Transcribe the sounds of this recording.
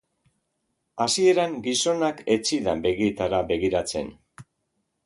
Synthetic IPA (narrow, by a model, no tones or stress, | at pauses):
asie̞ɾaŋɡiso̞nake̞t͡siða̰be̞ɣiet̪aɾabe̞ɣiɾat͡se̞̰n